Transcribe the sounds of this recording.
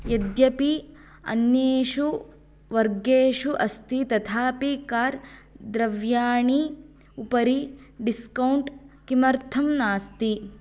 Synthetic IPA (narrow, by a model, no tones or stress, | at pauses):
jɐd̪jɐpi | ɐ̰njeːʂu | ʋɐɾɡeːʂuʔɐst̪ʰit̪ɐt̪ʰaːpikaːɾd̪ɾɐʋjaːɳi | upɐɾiɖiskɐwɳʈkimɐɾt̪ʰɐmnaːst̪i